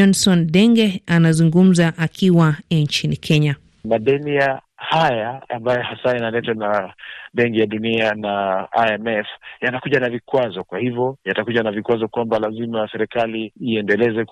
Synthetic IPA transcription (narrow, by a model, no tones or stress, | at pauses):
ɔnsɔnɗɛŋɡɛanazuŋɡum̩zaʔakiwaɲt͡ʃinikʰɛɲa | maɗɛnia | hajaa̰mbajɔhasajanalɛtanaɓɛŋkijaɗunianaaɛmɛfjanakuʄanavikwazɔkwahivjɔjatakuʄanavikwazɔkwambalazimasɛɾɛkaliːɛndɛlɛzɛ